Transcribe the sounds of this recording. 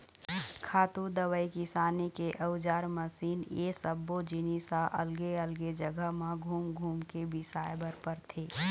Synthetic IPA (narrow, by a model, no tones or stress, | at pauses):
kʰaːt̪ud̪əwəikisaːnekeʔəʊd͡ʒaːɾməsiːneːsəbːod͡ʒɪniːsaʔɐ̰lɡeəlɡed͡ʒəɡəɦmãɡʱuːmɡʱuːmkebɪsaːjbəɾpəɾt̪ʰeː